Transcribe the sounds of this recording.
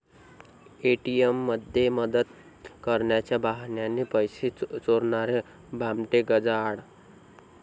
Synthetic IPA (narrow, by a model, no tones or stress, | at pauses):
eʈijemːəd̪ʱjeməd̪ət̪̚ | kəɾnjat͡ʃabaɦnjanepəjsit͡soɾnaɾe | bamʈeɡəd͡zaɽ